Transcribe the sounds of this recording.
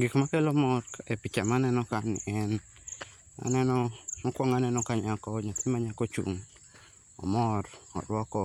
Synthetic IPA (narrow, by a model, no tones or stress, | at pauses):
ɡikmakelɔmɔɾepit͡ʃamanɛnɔkanɪ̰ɛn | a̰nɛnɔmɔkwɔŋanɛnɔkaɲakɔɲat̪ɪmaɲakɔt͡ʃṵŋ | ɔ̰mɔɾɔ̰ɾwɔkɔ